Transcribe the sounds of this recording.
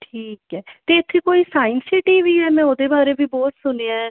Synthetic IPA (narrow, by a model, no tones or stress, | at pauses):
ʈʰiːkɛːt̪eːɪt̪ʰːekoːiːsaːɪnsɪʈiːʋiːɦɛːmɛ̃ːoːd̪eːbaːɾeːbʱiːbɔːt̪sʊneːaː